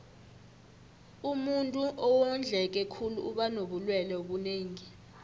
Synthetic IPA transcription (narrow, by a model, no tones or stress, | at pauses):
umuntʼuʔɔwɔnd͡ɮʱɛk̬ʼɛkʰulṵːɓanoɓulwɛlɛoɓuneːŋi